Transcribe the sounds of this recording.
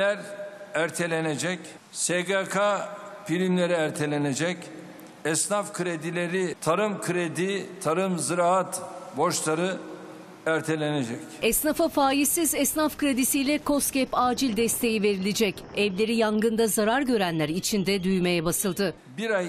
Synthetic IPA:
æɾæɾt̪ʰe̞lʲened͡ʒɛc | seɡakʰafilʲimlʲe̞ɾiæɾt̪ʰe̞lʲe̞ned͡ʒɛc | ɛsnafkʰɯɾed̪ilʲe̞ɾit̪ʰaɾɯmkʰɯɾed̪it̪ʰaɾɯmzɯɾaat̪bo̞ʃlˠaɾɯ | æɾt̪ʰe̞lʲe̞ned͡ʒɛcɛsnafafaːjisizɛsnafkɯɾed̪isijlʲɛkʰo̞st̪cɛpaːd͡ʒilʲd̪ɛst̪ʰe̞jive̞ɾilʲed͡ʒɛcɛvlʲe̞ɾijaŋɡɯnd̪azaɾaɾɟø̞ɾænlʲæɾit͡ʃʰind̪ɛd̪yjme̞jɛbasɯlˠd̪ɯ | biɾaj

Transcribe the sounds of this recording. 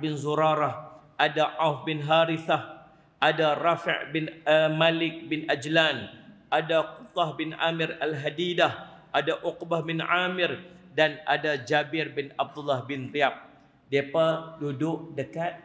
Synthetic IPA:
bɪnzuɾaɾah | ʔadaʔawfbɪnɦaɾiθah | ʔadarafɪ̰ʔbɪnmalɪk̚bɪnʔad͡ʒlanʔadaqut̪ahbɪna̰mɪralɦadidahʔadaʔuqbahbɪnamɪrdana̰dad͡ʒabɪrbɪnab̚d̪ulːahbɪnriap̚ | diapadudʊʔdəkat̪̚

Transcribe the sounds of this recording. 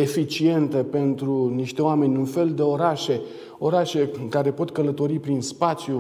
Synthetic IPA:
e̞fit͡ʃie̞nt̪əpe̞nt̪ɾuniʃt̪e̞oame̞nʲunfe̞ld̪e̞o̞ɾaʃe̞ | o̞ɾaʃe̞kaɾe̞po̞t̪kələt̪o̞ɾipɾinspat̪sju

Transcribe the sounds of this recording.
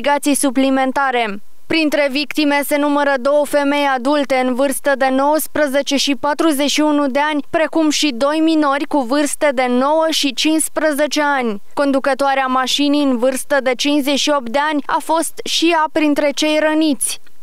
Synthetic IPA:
iɡat̪sijsuplime̞nt̪aɾe̞ | pɾint̪ɾe̞vikt̪ime̞se̞numəɾəd̪o̞wəfe̞me̞jad̪ult̪e̞ɨnvɨrst̪əd̪e̞no̞wəspɾəze̞t͡ʃe̞ʃipat̪ɾuzet͡ʃʃiunud̪e̞anʲpɾe̞kumʃid̪o̞jmino̞rʲkuvɨrst̪ed̪e̞no̞wəʃit͡ʃinspɾəze̞t͡ʃe̞anʲ | ko̞nd̪ukət̪oaɾeamaʃinijɨnvɨrst̪əd̪e̞t͡ʃinszeʃio̞p̚t̪̚d̪e̞anʲa̰fo̞st̪ʃijapɾint̪ɾe̞t͡ʃe̞jɾənit̪sʲ

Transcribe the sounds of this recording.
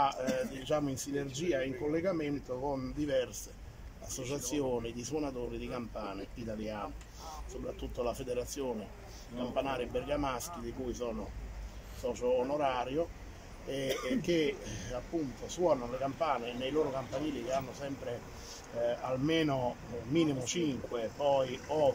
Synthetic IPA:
ad̪it͡ʃaːmoinsinerd͡ʒiːaiŋkolːeɡament̪okond̪ivɛrse | a̰sːot͡ʃat̪sːjoːnid̪iswonat̪oːɾid̪ikampaːneit̪aljaːno | sopɾat̪ːut̪ːolafed̪eɾat̪sːjoːne | kampanaːɾibeɾɡamask̟id̪ikuːisɔːno | sɔːt͡ʃoːnoɾaːɾjo | ek̟ːeapːunt̪oswɔːnanlekampaːnenejloːɾokampaɲiːlikeanːosɛmpɾe | almeːnomiːnimʊt͡ʃiŋkwepɔjɔ

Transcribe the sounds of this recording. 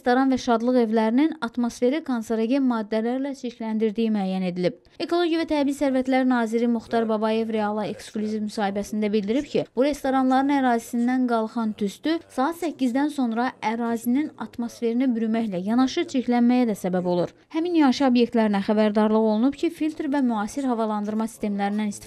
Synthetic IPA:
est̪oɾɑnvæʃɑd̪lˠɯɣe̞vlæɾininɑt̪mo̞sfe̞ɾikʰonseɾeɡenmɑːd̪ːælæɾlæt͡ʃʰiclænd̪iɾd̪ijimyæːjæne̞d̪ilib̥̚ | e̞kʰo̞lˠo̞ɟjivæt̪ʰæbizsæɾvæt̪ʰlæɾnɑːziɾimuxt̪ɑɾbɑbɑje̞vɾe̞ɑlˠɑe̞ksklʲuzivmysɑːhibæsind̪æbild̪iɾib̥cʰib̥uɾe̞st̪o̞ɾɑnlˠɑɾɯnæɾɑːzisind̪ænɡɑlˠχɑnt̪ʰyst̪ysɑɑt̪sæcːizd̪ænso̞nɾɑʔæɾɑːzininɑt̪mo̞sfe̞ɾinibyɾymæçlæjɑnɑʃɯt͡ʃʰiclænmæjæd̪æsæbæbo̞lˠuɾ | hæminjɑʃɯobje̞kt̪læɾinæχæbæɾd̪ɑɾlˠɯɣo̞lˠunubcʰifilt̪ʰɾvæmyɑːsiɾhɑvɑlˠɑnd̪ɯɾmɑsi̥st̪e̞mlæɾind̪ænist̪

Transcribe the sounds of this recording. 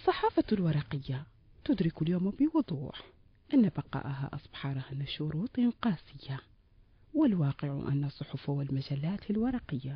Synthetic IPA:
ʔɑsˤːɑħɑːfalwɑɾˤɑqɪjːa | t̪ʊd̪ɾɪkʊljoːmbɪwʊd̪ˤṵːħ | ʔɪnːabɑqɑ̰ːʔɦa̰ʔɑ̰sˤbħɑɾˤhanaʃʊɾuːt̪ˤʔɪnqɑːsɪjːa | wɪlwɑːqɪʕ̰ʔa̰nːasˤʊħʊfawɪlmad͡ʒalːaːt̪alwɑɾˤɑqɪjːa

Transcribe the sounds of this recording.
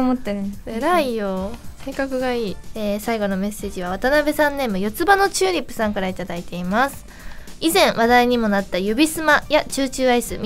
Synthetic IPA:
mot̪ːeɾɯ̃eɾaijose̞ːkakɯ̟ɡaiːeːsaiɡo̞no̞me̞se̞ːʑiβaβat̪anabe̞sãnːe̞ːmɯ̟jo̞t͡sɨbano̞t͡ɕɨːɲʲipːɯ̟̥sãŋkaɾait̪ad̪ait̪e̞imasɨ̥ | izẽ̞ɰ̃βad̪aiɲ̟imo̞nat̪ːajɯbʲisɨmajat͡ɕɨːt͡ɕɨːaisɨmʲ

